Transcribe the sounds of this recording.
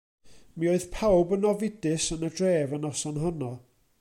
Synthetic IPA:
mioɨðpʰawbənɔvɪdɨsənədreːvənɔsɔnɦɔnɔ

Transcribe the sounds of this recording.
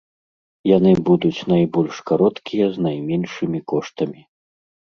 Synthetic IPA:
janɨbud̪ut͡sʲn̪ajbɔlʲʂkaɾɔt̪kʲijɐznajmʲɛnʂɨmʲikɔʂt̪ɐmʲi

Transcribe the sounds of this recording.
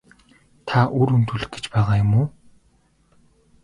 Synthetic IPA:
t̪ʰaʔuɾunt̪uɮɘ̆k̚ɡe̥t͡ɕpæːʁaːjʊmʊː

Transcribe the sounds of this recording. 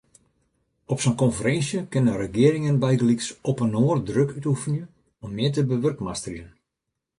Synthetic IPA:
ɔpsənkɔnfəɾɛnsjəkɪnənrəɡɪəɾɪŋənbɛjɡəliksɔpənoːərdrøkytufənjə | ɔmːɪət̬əbəʋørkmastriən

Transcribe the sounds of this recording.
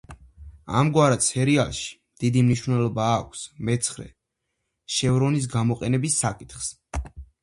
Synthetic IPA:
a̰mɡwaɾat̪sʰɛɾialˠʃi̥md̪̥id̪imniʃvnɛlˠɔbaːkʷʰsmɛt̪sʰχɾɛ̰ | ʃɛvɾɔnis̬ɡamɔqʼɛnɛbisːakʼit̪χs

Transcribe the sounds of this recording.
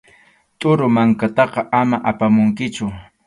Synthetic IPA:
t̪ʼʊɾʊmaŋkat̪ɑqɑʔamaʔapamʊŋkɪt͡ʃʊ

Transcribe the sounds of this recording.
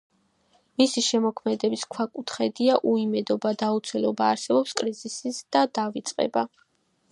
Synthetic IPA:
misiʃɛmɔkʰmɛd̪ɛbiskʰwakʼut̪ʰχɛd̪iaʔuimɛd̪ɔbad̪aut̪sʰɛlɔbaːɾsɛbɔpskʼɾizisisd̪̥ad̪avit̪sʼqʼɛ̰ba

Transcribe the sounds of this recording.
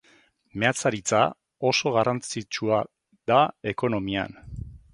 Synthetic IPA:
me̞at͡saɾit͡sa | o̞so̞ɣ̞arant͡sit͡ʃua | ðae̞ko̞no̞mia̰n

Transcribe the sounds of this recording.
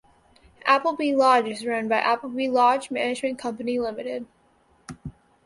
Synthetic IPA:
ʔæpl̩ˠbilɑd͡ʒɨzɹõʊ̃nbaɪʔæpl̩ˠbilɑd͡ʒmænɨd͡ʒmɨ̃nkʰʌ̃mpɨnilɪ̃mɨɾɪd̥̚

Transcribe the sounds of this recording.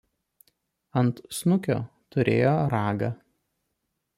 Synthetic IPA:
ɐnt̪snʊkʲo̰ː | t̪ʊɾʲḛːjoːɾɑːɡɐ̰

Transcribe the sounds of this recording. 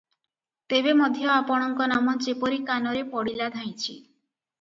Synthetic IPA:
t̪ebemɔd̪ʱjɔapɔɽ̃ɔŋkɔnamɔd͡ʒepɔɾikanɔɾepɔɽilad̪ʱaj̃t͡ʃʰḭ

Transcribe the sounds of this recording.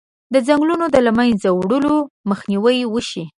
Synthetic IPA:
d̪əzaŋɡlunod̪əlamanzawɽəloməxniwəjwəʃi

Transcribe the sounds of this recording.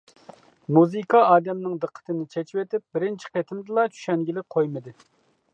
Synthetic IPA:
muzɨkʰɑɑːd̪ɛmnɪŋd̪ɨqʰːə̥t̪ɨnɪt͡ʃʰɛt͡ʃʰiwet̪ɪp̚bɪɾɪnt͡ʃʰi̥qet̪ʰɪmd̪ɨlˠɑt͡ʃʰy̥ʃɛnɡʲilɪk̚qʰojmɨd̪ɨ

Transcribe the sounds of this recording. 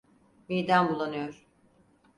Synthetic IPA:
mijd̪anbulˠanɯjoɾ̥

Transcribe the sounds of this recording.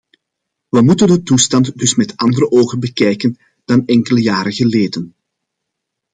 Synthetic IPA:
ʋəmutəndətustɑntdɵsmɛtɑndəɾəʔoːɣənbəkɛjkən | d̥ɑnɛŋkələjaːɾəɣəleːdən

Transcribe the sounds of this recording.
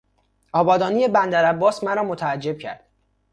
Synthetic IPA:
ɒːbɒːd̪ɒːnije̞bænd̪æɾæbːɒːsmæɾɒːmot̪ʰææd͡ʒːe̞b̥̚cʰæ̰ɾd̪̥

